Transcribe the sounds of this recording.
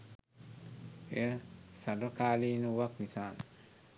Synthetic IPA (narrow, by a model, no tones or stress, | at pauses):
esadɔkalinuwaknisaːn